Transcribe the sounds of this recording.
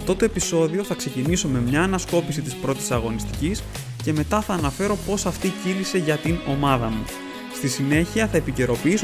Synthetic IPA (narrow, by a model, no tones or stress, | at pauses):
ft̪o̞t̪o̞episo̞ðio̞θɐkse̞ciniso̞me̞mɲɐːnɐsko̞pisit̪ispɾo̞t̪i̥sɐɣo̞nist̪i̥cis | ce̞me̞t̪ɐθɐːnɐfe̞ɾo̞po̞sɐft̪icilise̞ʝɐt̪ino̞mɐðɐmu | st̪isine̞çiɐθɐepice̞ɾo̞piis